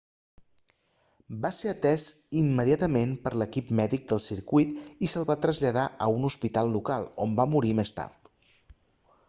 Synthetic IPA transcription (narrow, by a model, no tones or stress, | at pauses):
baseət̪ɛzimːəðiat̪əmempəɾləkipmɛðik̚d̪əlˠsiɾkuit̪isəlˠβat̪ɾəzʎəðaʔəunuspit̪alˠːukalˠombamuɾimest̪a̰ɾt̪